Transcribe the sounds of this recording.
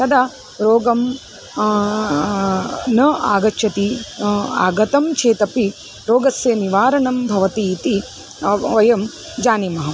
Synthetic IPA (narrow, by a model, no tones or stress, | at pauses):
t̪ɐd̪a | ɾoːɡɐm | nɐaːɡɐt͡ʃʰːɐt̪i | a̰ːɡɐt̪ɐmt͡ʃʰeːt̪ɐpi | ɾoːɡɐsjɐniʋaːɾɐɳɐmbʱɐʋɐt̪iːt̪i | ʋɐjɐm | d͡ʒaːnemɐɦɐ